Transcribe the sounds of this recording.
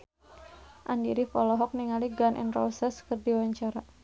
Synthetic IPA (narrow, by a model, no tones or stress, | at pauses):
ʔandiɾifɔlɔɦɔk̚niŋaliɡanʔḭnrɔ̰sɛskɨrdiwaɲt͡ʃaɾa